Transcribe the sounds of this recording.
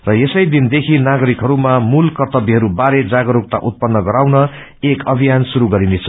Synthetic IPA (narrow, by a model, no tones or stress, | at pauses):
rʌesʌjd̪ind̪ekʰinaɡʌɾikɦʌɾumamulkʌrt̪ʌbiɦʌɾubaɾed͡zaɡʌɾok̚t̪a̰ʔut̪̚pʌnːʌɡʌɾawnʌ | ekʌbʱijansuɾuɡʌɾinet͡sʰʌ